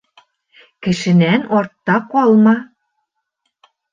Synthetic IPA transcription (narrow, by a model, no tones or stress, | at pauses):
kɘ̆ʃɘ̆nænort̪ːɑkolˠmɑ